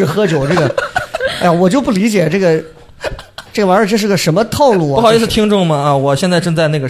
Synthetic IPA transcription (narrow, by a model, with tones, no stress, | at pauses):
ɻ̩˥˩xɤ˥t͡ɕjo˨˩ʊʈ͡ʂɤ˥˩ɡə˩a˥˩wɔ˨˩t͡ɕjo˥˧ʊp̬u˥˩li˧˥t͡ɕjɛ˨˩ʈ͡ʂɤ˥˩ɡə˩ | ʈ͡ʂɤ˥˩ɡə˩wa˧˥ɻ̩ə˥˧ʈ͡ʂɤ˥˧ʂɻ̩˥˩ɡə˩ʂə˧˥nmə˧t̪ʰɑ˥˧ʊlu˥˩xi˧˥t͡s̩ʰ˥˧˩t̪ʰi˥ŋʈ͡ʂʊ˥˩ŋmɐ˩a˧wɔ˨˩ɕjɛ˥˧nt͡sa˥˧ɪʈ͡ʂɤ˥˧ŋt͡sa˥˧ɪna˥˩ɡə˩